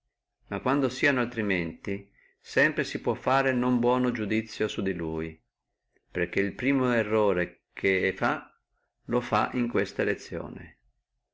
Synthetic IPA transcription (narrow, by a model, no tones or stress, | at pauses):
makːwand̪osiːanoalt̪ɾiment̪i | sɛmpɾesipwɔfːaːɾenombwɔːnod͡ʒud̪it̪sːjosud̪iluːj | perk̟eilpɾiːmoerːoːɾe | kʰeɛfa | lofa̰ʔiŋkwest̪aelet̪sːjo̰ːnḛ